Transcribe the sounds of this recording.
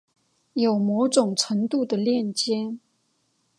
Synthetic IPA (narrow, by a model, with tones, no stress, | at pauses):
jo˨˩ʊmo˧˥ʊʈ͡ʂʊ˨˩ŋʈ͡ʂʰə˧˥ŋt̪u˥˩d̪ə˩ljɛ˥˨nt͡ɕjɛ˥n